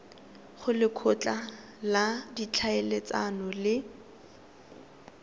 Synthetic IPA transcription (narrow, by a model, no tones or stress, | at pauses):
χʊlɪkʰʊt͡ɬʼa | ladit͡ɬʰaelet͡sanɔlɪ